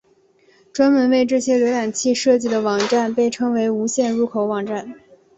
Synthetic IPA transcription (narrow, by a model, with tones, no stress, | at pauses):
ʈ͡ʂwa˥nmə˧˥nwe˥˧ɪʈ͡ʂɤ˥˩ɕjɛ˥ljɛ˧˥ɻa˨˩nt͡ɕʰi˥˧ʂɤ˥˧t͡ɕi˥˩d̪ə˩wɑ˨˩ŋʈ͡ʂa˥˩npe˥˩ɪʈ͡ʂʰɤ˥ŋwe˧˥ɪu˧˥ɕjɛ˥˧nɻu˧˥kʰo˧˥ʊwɑ˨˩ŋʈ͡ʂa˥˩n